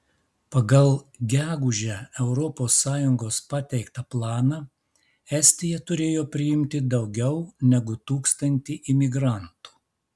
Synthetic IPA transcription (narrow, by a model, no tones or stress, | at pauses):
pɐɡɐlˠɡʲæːɡʊʒʲæɛʊɾɔpoːsːɑːjʊŋɡoːspɑt̪ʲɛɪkt̪ɐplˠɑːnɑː | ɛsʲt̪ʲɪjɛt̪ʊɾʲeːjoːpʲɾʲɪɪmʲt̪ʲɪd̪ɒʊɡʲɛʊnʲɛɡʊt̪uːkst̪ɐnʲt̪ʲiːʔɪmʲɪɡɾɐˑnt̪u̥ː